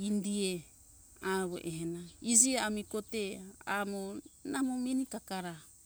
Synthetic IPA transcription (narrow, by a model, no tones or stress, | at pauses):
indie | aɾo̰ʔeɦenaid͡ʒieamikotea̰monamominikakaɾa